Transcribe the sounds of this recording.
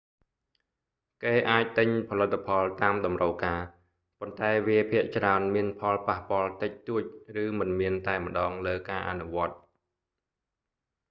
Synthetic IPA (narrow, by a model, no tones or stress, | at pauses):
keːʔaːc̚t̪ɨɲpʰɑlɨt̪ʰːapʰɑlt̪aːmɗɑmrəwkaː | pont̪aɛʋiəpʰiəʔt͡ɕraənmiənpʰɑlpahpŏəlt̪ɨc̚t̪uəc̚rɨːmɨnmiənt̪aɛmə̆ɗɑːŋləːkaːʔa̰nuʋŏət̪̚